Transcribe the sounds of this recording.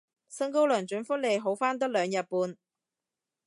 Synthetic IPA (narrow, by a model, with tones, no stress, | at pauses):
sɐ˥ŋko˥wlœː˨˩nt͡ʃɵ˨˥nfʊ˥k̚le˨˧jɦo˨˥wfaː˥nt̪ɐ˥k̚lœː˨˧ŋjɐ˨t̚puː˧n